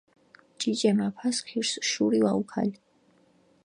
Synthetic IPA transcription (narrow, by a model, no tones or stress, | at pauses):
t͡ʃʼit͡ʃʼɛmapʰaskʰiɾsʃuɾiwaukʰa̰li